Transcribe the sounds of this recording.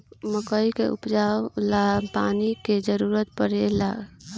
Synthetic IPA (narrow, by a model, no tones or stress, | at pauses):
məkəjkḛṵpd͡ʒalapaniked͡ʒəɾuɾət̪̚pəɾela